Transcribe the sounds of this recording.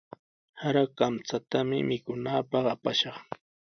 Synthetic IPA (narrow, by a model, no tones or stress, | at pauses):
haɾakamt͡sat̪amɪ̰mɪkʊnaːpɑχapaʃɑχ